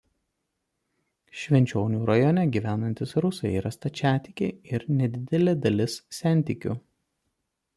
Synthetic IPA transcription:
ʃʲʋʲɛnʲt͡ʃʲoːnʲuːɾɐjɔnʲɛɡʲiːʋʲæːnɐnʲt̪ʲɪsɾʊsɐɪiːɾɐst̪ɐt͡ʃʲæːt̪ʲɪkʲeɪɪɾnʲɛd̪ʲɪd̪ʲɛlʲeːd̪ɐlʲɪssːʲæˑnʲˑt̪ʲiːkʲṵ

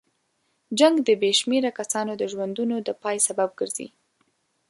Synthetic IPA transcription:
d͡ʒaŋɡd̪əbeʃmeɾakasɑnod̪əʒwand̪unod̪əpɑjsabab̚ɡəɾzḭ

